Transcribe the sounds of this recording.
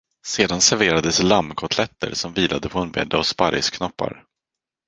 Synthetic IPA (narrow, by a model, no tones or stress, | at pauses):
seːd̪ansæɾveːɾad̪əslamːkʰɔt̪ʰlɛt̪ːə̰ɾsɔmviːlʔad̪əpʰɔɛnbɛ̰d̪ːaɔspaɾjskʰnɔpːa̰ɾ